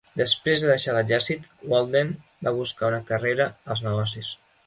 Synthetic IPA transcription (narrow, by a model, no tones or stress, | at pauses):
d̪əspɾezðəðəʃaləzɛɾsit̪wɔlˠd̪en | baβuskaunəkəreɾəəlˠznəɣɔs̬is